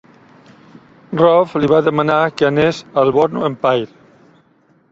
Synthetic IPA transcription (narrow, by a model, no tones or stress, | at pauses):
rɔfliβaðəmanakeanezalβɔɾnuempajɾ